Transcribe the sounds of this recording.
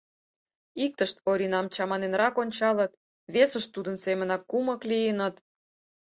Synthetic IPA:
ik̚t̪əʃt̪̚oɾʲinɑmt͡ɕɑmɑnenrɑkonʲt͡ɕɑlət̪ | βesəʃt̪ud̪ənsemənɑkːumə̆klijənət̪

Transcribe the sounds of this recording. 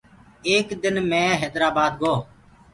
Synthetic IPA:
eːkd̪ɪnmɛ̃ːɦɛːd̪ɾaːbaːd̪ɡoː

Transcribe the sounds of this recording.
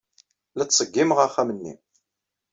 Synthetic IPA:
læt͡ssˤəɡːimʁaχæmənːḭ

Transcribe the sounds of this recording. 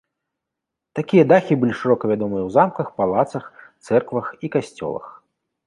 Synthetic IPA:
t̪akʲijɐd̪axʲibɨlʲiʂɨɾɔkɐvʲad̪ɔmɨjɐwzamkɐxpalˠat̪sɐxt̪sɛrkvɐxikasʲt͡sʲɔ̰lˠɐ̰x

